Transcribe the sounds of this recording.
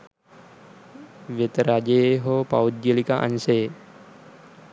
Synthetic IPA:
ʋet̪ɾad͡ʒejeɦopawd̪jəlikaʔa̰nsej

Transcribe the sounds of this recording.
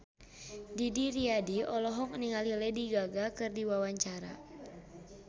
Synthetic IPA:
didiɾiadiɔlɔɦɔŋəniŋalilɛdiɡaɡakɨrdiwawaɲt͡ʃaɾa̰

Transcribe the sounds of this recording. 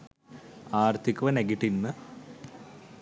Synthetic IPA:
aːrt̪ʰikːɐʋɐneɡiʈːinːɨ

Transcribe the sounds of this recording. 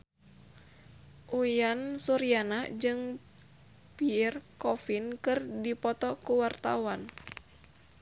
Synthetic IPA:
ʔujansuɾianad͡ʒɨŋ | pirkɔfinkɨrdipɔt̪ɔkuwart̪awan

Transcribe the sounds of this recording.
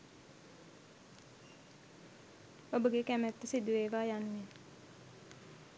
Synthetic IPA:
obəɡekæmæt̪ːəsid̪uʋeːʋaːjanːe

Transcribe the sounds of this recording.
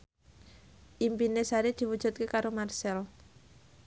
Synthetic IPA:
ʔimpinesaɾed̪̥i̤wud̥ʒ̥ṳt̪̚kekaɾomarsɛl

